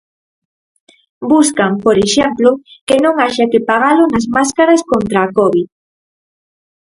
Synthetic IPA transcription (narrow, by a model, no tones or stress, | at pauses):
buskampoɾeʃemplokenõŋaʃakepaɣ̞alʊnɐzmaskaɾɐskont̪ɾaːkɔβið